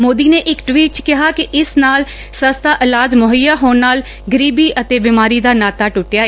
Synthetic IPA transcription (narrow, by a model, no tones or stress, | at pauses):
moːd̪iːneːʔɪkʈwiːʈ̚t͡ʃkɪɦaːkɪʔɪsnaːl | səst̪ʰaːʔɪlaːd͡ʒmʊɦəjːaːɦoːnnaːl | ɡəɾiːbiːʔət̪eːbɪmaːɾiːd̪aːnaːt̪aːʈʊʈjaː